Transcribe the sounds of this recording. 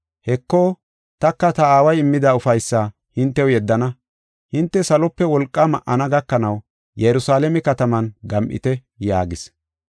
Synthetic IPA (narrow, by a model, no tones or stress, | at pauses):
hɛkːoː | t̪ɐkːɐt̪ɐaːwɐjɪmːɪd̪aːʊfɐjsːaː | hɪnt̪ːɛwjɛd̪ːɐnɐ | hɪnt̪ːɛsɐlɔpːɛwɔlkʼːɐmɐʔɐnɐɡɐkːɐnɐw | jɛjɾʊsaːlɛmɛkɐt̪ɐmɐnɡɐmʔɪ̰t̪ɛ | jaːɡɪs